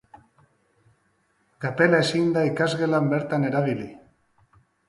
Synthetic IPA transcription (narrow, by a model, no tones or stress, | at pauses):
kape̞laesind̪aikazɣe̞lambe̞ɾt̪ane̞ɾaβili